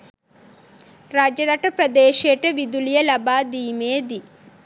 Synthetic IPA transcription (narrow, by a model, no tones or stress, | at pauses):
ɾaːd͡ʒɐnɐʈːɐpɾɐd̪eːʃeːʈɐʋid̪ulijɐlɐbaːd̪iːmeːd̪i